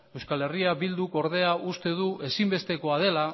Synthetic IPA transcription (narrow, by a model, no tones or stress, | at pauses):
e̞wskale̞riabild̪uko̞ɾðe̞aʔust̪e̞ðuʔe̞simbe̞st̪e̞ko̞að̞e̞la